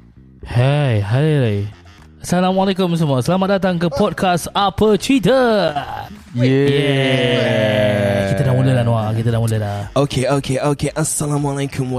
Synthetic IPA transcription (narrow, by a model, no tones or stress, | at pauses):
hejɦalele | asalamalekʊms̬əmũasəlamat̪̚dat̪̬aŋkəpɔd̚kʰasapət͡ʃwit̪̬ə | jjɛɛ | kiədaʔmũləlahnwakit̪ədaʔmuləlaokʰeokʰeʔokeʔasalãmalekʰʊ̃m